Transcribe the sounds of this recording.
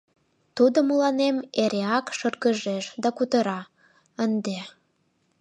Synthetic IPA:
t̪ud̪omulɑnemeɾeɑkʃərɣəʒeʃd̪ɑkut̪əɾɑ | ənd̪e

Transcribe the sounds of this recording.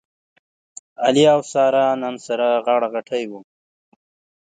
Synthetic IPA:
aliawsɑːɾɑːnansaɾaɣaɽaɣaʈʰajwu

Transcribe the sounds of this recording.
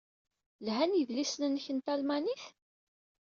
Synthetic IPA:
lɦænjəðlisnənːəçənt̪ælmæniθ

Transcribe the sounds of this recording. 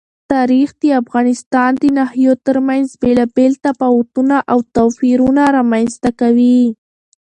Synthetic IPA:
t̪ɑɾixd̪əafɣɑnɪst̪ɑnd̪ənahjot̪əɾmanzbelɑbelt̪apawt̪unaʔawt̪ofiɾunaɾamanst̪akawi

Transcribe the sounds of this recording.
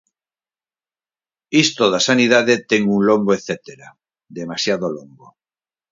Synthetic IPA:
ist̪oðasanið̞aðet̪eŋuŋlomboeθet̪eɾa | d̪emasjaðolombo

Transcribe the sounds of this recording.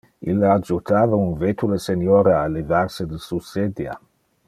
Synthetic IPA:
ilːad͡ʒut̪aːvaunvet̪ulesenjoːɾealevarsed̪esused̪ja̰

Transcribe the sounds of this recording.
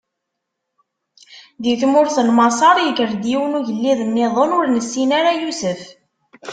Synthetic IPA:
ðiθmʊɾθəlmɑsˤɑɾˤjkəɾd̪jiwənuʝəlːiðənːɪðˤonʊɾnəsːinaɾajusəf

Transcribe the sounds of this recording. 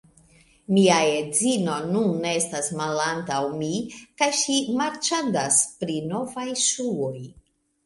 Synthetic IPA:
miae̞d͡zino̞nunestasmalantawmikajʃimaɾt͡ʃandaspɾino̞vajʃuoj

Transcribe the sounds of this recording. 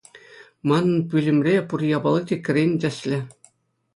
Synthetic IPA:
mɑnɤ̆npʲylʲɘ̆mʲrʲepurjɑbɑlˠɤdʲek̆ʲrʲenʲdʲɘ̆ɕʲlʲɘ̆

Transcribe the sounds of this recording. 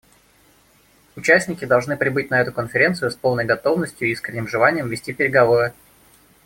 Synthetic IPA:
ʊt͡ɕæsʲnʲɪkʲɪd̪ɐlˠʐnɨpɾʲɪbɨt̚ʲnɐɛt̪ʊkənfʲɪɾʲe̞nt̪sɨjʊspo̞lˠnəjɡɐt̪o̞vnəsʲtʲjʊiskɾʲɪnʲːɪmʐɨlˠanʲɪjəmvʲɪsʲtʲipʲɪɾʲɪɡɐvo̞ɾɨ

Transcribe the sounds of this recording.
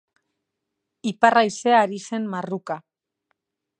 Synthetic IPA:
iparajse̞aɾise̞mmaruka

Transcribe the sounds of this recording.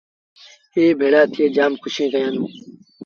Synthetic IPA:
eːbʱeːɽaːt̪ʰɪeːd͡ʒaːmkʰʊʃẽːkəjãːnũː

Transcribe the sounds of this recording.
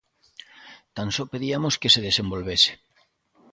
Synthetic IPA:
t̪ansopeðiamoskeseðesembolβese̥

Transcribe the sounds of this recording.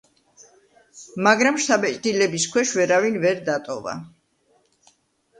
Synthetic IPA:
maɡɾamʃt̪ʰabɛt͡ʃʼd̪ilɛbiskʰwɛʃvɛɾavinvɛɾd̪at̪ʼɔva̰

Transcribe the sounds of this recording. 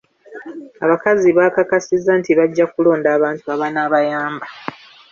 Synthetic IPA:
a̰βakaziβakakasizːantiβaɟːakulo̞ːndaːβaːntuaβanaːβajaːmba

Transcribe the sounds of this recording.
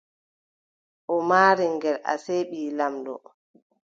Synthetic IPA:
ʔɔmaːɾiŋɡɛlʔa̰seːɓiːlamdɔ̰

